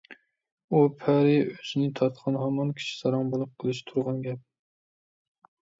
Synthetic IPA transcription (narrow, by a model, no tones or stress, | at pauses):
upʰæɾɪøzɪnɪt̪ʰɑt̪qʰɑnɦɑmɑnkʲʰi̥ʃi̥sɑɾɑŋbolˠʊp̚qʰəlˠɨʃt̪ʰuɾʁɑnɡʲɛp̚